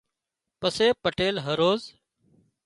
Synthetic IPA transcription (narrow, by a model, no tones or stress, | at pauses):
pəseːpəʈeːlɦəɾoːz